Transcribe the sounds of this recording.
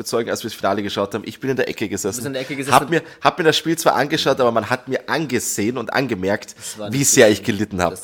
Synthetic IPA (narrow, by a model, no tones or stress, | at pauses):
bɐt͡sɔʏɡŋ̩a̰lsviːɐsfinaːləɡəʃaʊthaːbm̩ʔɪçb̥ɪnɪndeːɐʔɛkəɡəzɛsnn̩haːbmiːɐ | haːb̥miːɐɾasʃpiːlt͡sv̥a̰ːʔanɡəʃaʊtʔaːbɐmanɦat̚miːɐʔanɡəz̥eːənʊntʔa̰nɡəmɛɐktviːz̥eːɐɪçɡ̥əlɪtn̩ha̰ː